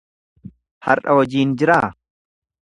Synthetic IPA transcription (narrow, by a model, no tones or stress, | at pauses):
hɐ̰ɾʔɐwɐd͡ʒiːnd͡ʒɪɾaː